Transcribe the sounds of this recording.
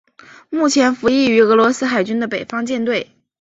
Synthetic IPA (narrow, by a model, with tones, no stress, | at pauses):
mu˥˩t͡ɕʰjɛ˧˥nfu˧˥i˥˩y˧˥ɤ˧˥lwɔ˧˥sɹ̩˥xa˨˩ɪt͡ɕy˥nd̪ə˨pe˨˩ɪfɑ˥ŋt͡ɕjɛ˥˧nt̪we˥˩ɪ